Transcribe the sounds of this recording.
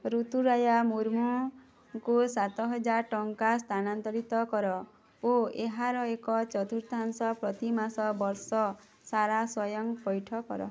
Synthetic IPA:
ɾut̪uɾajamuɾmu | kusat̪ɔɦɔd͡ʒaɾʈɔŋkast̪ʰanant̪ɔɾit̪ɔkɔɾɔ | oeɦaɾɔekɔt͡ʃɔt̪uɾt̪ansɔpɾɔt̪imasɔbɔɾsɔ | saɾaswɔjɔŋpɔjʈʰɔkɔ̰ɾɔ̰

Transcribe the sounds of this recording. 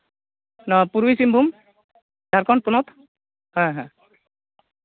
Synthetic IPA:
nɔpuɾuisimbʱum | dʱaɾkɔnpunɔt̪ | hɔɦã

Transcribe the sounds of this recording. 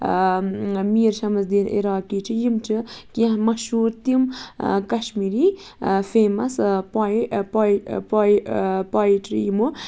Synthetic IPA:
miːɾʃɐmɐzd̪iːnḭɾaːkiːt͡ʃʰijimt͡ʃʰɨkiãɦmɐʃɦuːɾt̪imkɐʃmiɾi | feːmɐspapapapajiʈʰɨ̰jimu

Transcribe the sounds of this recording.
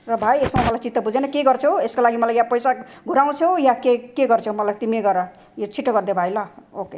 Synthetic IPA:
rʌbʱajesʌmamʌlajt͡sit̪ːʌbud͡zʱenʌkeɡʌrt͡sʰoweskolaɡimʌlajjapʌjsaɡʱuɾaw̃t͡sʰojakekeɡʌrt͡sʰõmʌlajt̪imieɡʌɾʌ | jot͡sʰiʈːʌɡʌrd̪ebʱajlʌoke

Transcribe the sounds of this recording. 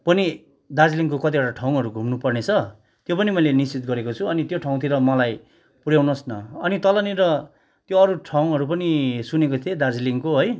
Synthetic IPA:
pʌni | d̪ad͡zliŋkokʌt̪̬ibaʈaʈʰaw̃ɦʌɾuɡʱumnupʌrnet͡sʰʌ | t̪jopʌnimʌjlenist͡sit̪̚ɡʌɾekot͡sʰuʌnit̪joʈʰaw̃t̪ʰiɾʌmʌlaj | puɽjawnosnʌʌnit̪ʌlʌniɾʌ | t̪joʌɾuʈʰaw̃ɦʌɾupʌnisunekot̪ʰed̪ad͡zliŋkoɦʌj

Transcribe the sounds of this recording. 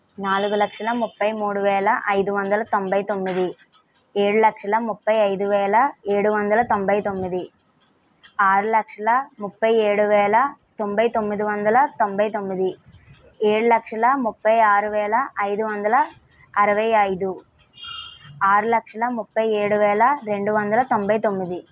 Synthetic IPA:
naːlɡulɐkʂɐlɐmʊpːɐjmuːɽuʋɛːɭɐʔɐjd̪uʋɐnd̪ɐlɐt̪ombɐjt̪omːiði | eːɽulɐkʂɐlɐmʊpːɐjɐjd̪uʋɛːlɐeːɽuʋɐnd̪ɐlɐt̪ombɐjt̪omːiði | aːɾɯlɐkʂɐlɐmʊpːɐjeːɽuʋɛːlɐt̪o̞mbɐjt̪o̞mːid̪iʋɐnd̪ɐlɐt̪o̞mbɐjt̪o̞mːid̪i | eːɽulɐkʂɐlɐmupːɐjaːɾuʋɛːlɐʔɐjd̪uʋɐnd̪ɐlɐ | ɐɾɐʋɐjɐjd̪u | aːɾulɐkʂɐlɐmupːɐjeːɽuʋɛːɭɐɾe̞ɳɖuʋɐnd̪ɐlɐt̪o̞mbɐjt̪omːid̪i

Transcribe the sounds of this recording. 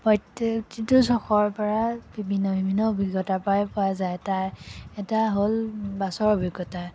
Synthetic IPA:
pɔjttitusɔxɔɹpɔɹabibʱinːɔbʱibʱinːɔobʱiɡjɔtapajpʊazajtajɛtaɦolbasɔɹobʱiɡɔta

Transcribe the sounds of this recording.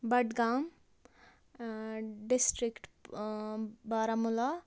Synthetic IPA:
bɐʈɡam | ɖisʈɾikʈ | baɾamula

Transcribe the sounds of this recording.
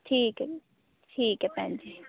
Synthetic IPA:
ʈʰiːkɛ | ʈʰiːkɛpɛ̃nd͡ʒi

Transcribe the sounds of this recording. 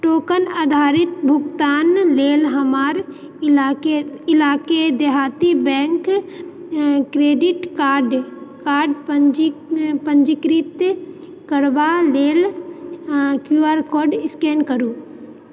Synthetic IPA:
ʈoːkənaːd̪ʱaːɾɪt̪bʱʊɡt̪aːnleːlɦɐmaːɾ | eɪlaːked̪eɦaːt̪ibɛ̃ːŋk | kɾeːɖɪʈkaːɾɖkaːɾɖpəd͡ʒpə̃ɲd͡ʒɪkɾit̪ | kəɽʋaleːl | kjuːaːɾkoːɖɪskeːnkəɾuː

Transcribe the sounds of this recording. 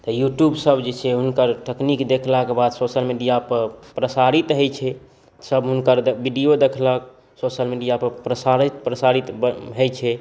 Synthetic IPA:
t̪ɔjuʈjubsəbd͡ʒet͡ʃʰɛɦunkəɾʈəknikd̪ekʰlakebad̪sosəlmiɖijapəɾpɾəsaɾit̪ɦəjt͡ʃʰɛ | səbɦunkəɾd̪biɖijod̪ekʰlək̚ | sosəlmiɖijapəɾpɾəsaɾit̪pɾəsaɾit̪bɦəjt͡ʃʰɛ

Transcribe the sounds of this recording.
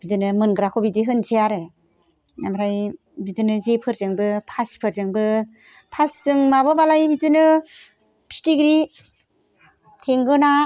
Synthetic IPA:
bidɯnɯmɯnɡɯɾakʰobidiɦɯnzʰejaɾe | namɾaj | bidɯnɯzepʰɯɾzɯŋbɯpʰaspʰɯɾzɯŋbɯ | pʰasːɯŋmabɯbalajbidɯnɯ | pʰi̥stiɡɾi | tʰeŋɡɯna

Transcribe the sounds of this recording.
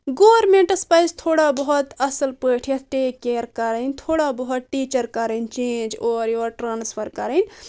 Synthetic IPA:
ɡoʋɾmẽɳʈɐspajst̪ʰoːɽabəɦut̪ɐsəlpəːʈʰijɐt̪ʰʈeːkːeːɾkɐɾənt̪ʰoːɽabəɦut̪̚ʈit͡ʃəɾkɐɾənt͡ʃẽːnd͡ʒɔːɾjoːɾʈɾaːnspʰəɾkɐɾən

